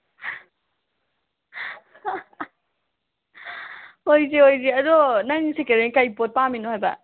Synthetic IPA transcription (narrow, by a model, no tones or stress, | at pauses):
ojzeojzeɐdɔnaŋsekeɾenikajpot̚paminohajbɐ̰